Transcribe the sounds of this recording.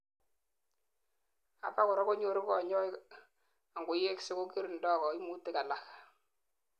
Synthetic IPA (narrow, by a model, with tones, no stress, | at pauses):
a̰˨pa˦kɔ˨ɾɔ˦ko˦ɲo˨ɾɪ˦kɔ˨ɲɔ˦ | a˨ŋɡʊ˨je˦ksɪ˦ko˦ki˦ɾndɔ˦˨kɔ˨i˦mu˦tɪ˦ka˨la˨k